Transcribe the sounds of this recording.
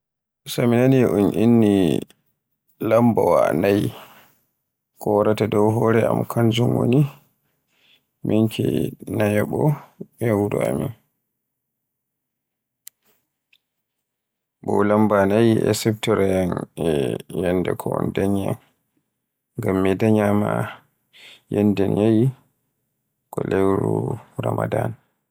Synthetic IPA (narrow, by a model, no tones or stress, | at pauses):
saminaniʔɔnʔinːi | lambawa̰naj | kʰɔwaɾatadɔwɦɔɾɛa̰mkʰand͡ʒumwo̰ni | minkʰḭnajaɓɔɛwuɾṵamin | bɔlambanajiʔɛ̰sɛptɔɾɛjanɛjɛndɛkʰɔɔndaɲa | ŋɡamːɛdaɲama | jɛndɛnjaji | kɔlewɾuɾamadan